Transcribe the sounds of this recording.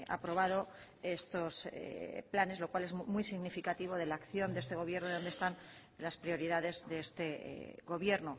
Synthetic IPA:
a̰pɾo̞β̞að̞o̞ | e̞st̪o̞splane̞zlo̞kwale̞zmujsiɣnifikat̪iβo̞ð̞e̞laːkθjo̞nd̪eest̪e̞ɣ̞o̞βje̞ɾnoðonest̪an | laspɾio̞ɾiðaðe̞zðe̞est̪e̞̰ɣo̞βje̞ɾno

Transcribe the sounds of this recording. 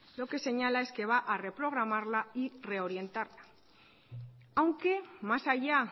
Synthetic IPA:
lo̞ke̞se̞ɲalae̞ske̞β̞aʔare̞pɾo̞ɣ̞ɾamaɾlaire̞o̞ɾje̞nt̪aɾla | awŋke̞masaʝa

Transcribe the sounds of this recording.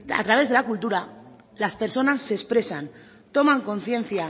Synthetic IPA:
a̰t̪ɾaβ̞e̞zð̞e̞lakult̪uɾa | laspe̞ɾsonasːespɾe̞san | t̪o̞maŋko̞nθje̞n̟θja

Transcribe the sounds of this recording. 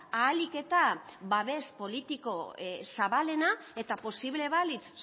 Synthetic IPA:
aːlike̞t̪aβaβe̞spo̞lit̪iko̞saβale̞nae̞t̪apo̞siβle̞βalit͡s

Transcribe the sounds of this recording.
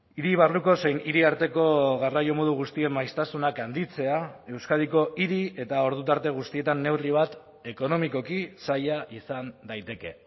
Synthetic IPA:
iɾiβ̞arluko̞se̞jniɾiaɾt̪e̞ko̞ɣarajo̞mo̞ð̞uɣ̞ust̪ie̞mːajst̪asunakand̪it͡se̞ae̞wskað̞iko̞ʔiɾie̞t̪ao̞ɾð̞ut̪aɾt̪e̞ɣ̞ust̪ie̞t̪anːe̞wriβat̪ | e̞ko̞no̞miko̞kisajaʔisand̪ajt̪e̞ke̞̰

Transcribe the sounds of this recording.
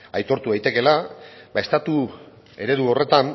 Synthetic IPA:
ajt̪o̞ɾt̪uðajt̪e̞ke̞labae̞st̪at̪u | e̞ɾe̞ðuo̞re̞t̪an

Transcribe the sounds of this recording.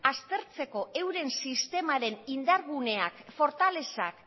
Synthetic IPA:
ast̪e̞ɾt͡se̞ko̞ʔe̞wɾe̞nsist̪e̞maɾe̞nind̪aɾɣune̞akfo̞ɾt̪ale̞sak

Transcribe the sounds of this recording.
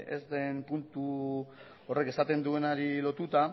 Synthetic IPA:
ḛzd̪empunt̪u | ore̞ke̞sat̪e̞nd̪ue̞naɾilo̞t̪ut̪a

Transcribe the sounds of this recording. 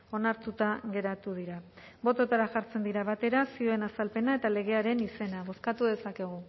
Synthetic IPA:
o̞naɾt̪ut̪aɣe̞ɾat̪uð̞iɾa | bo̞t̪o̞t̪aɾaʝaɾt͡se̞nd̪iɾaβat̪e̞ɾasioe̞nasalpe̞nae̞t̪ale̞ɣ̞e̞aɾe̞nise̞naβo̞skat̪uðe̞sake̞ɣ̞u

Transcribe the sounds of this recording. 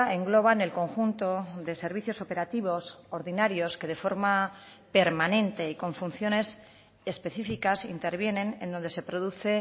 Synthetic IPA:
eŋɡlo̞β̞ane̞lko̞ŋxunt̪o̞ðe̞se̞ɾβ̞iθjo̞sope̞ɾat̪iβo̞soɾðinaɾjo̞ske̞ð̞e̞fo̞ɾma | pe̞ɾmanẽ̞nt̪e̞iko̞ɱfun̟θjo̞ne̞s | espe̞θifikasint̪e̞ɾβje̞nẽ̞nend̪o̞nd̪e̞se̞pɾo̞ðuθe̞

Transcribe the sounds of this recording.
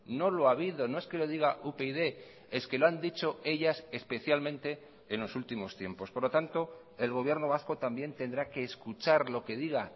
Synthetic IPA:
no̞loaβiðo̞no̞e̞ske̞lo̞ðiɣaʔupeiðe̞ | e̞ske̞loand̪it͡ʃo̞e̞ʎasespe̞θjalmẽnt̪e̞ | enlo̞sult̪imo̞st̪je̞mpo̞spoɾlo̞t̪ant̪o̞ | e̞lɣo̞β̞je̞ɾno̞β̞asko̞t̪ambje̞nt̪e̞nd̪ɾake̞ːskut͡ʃaɾlo̞ke̞ðiɣa

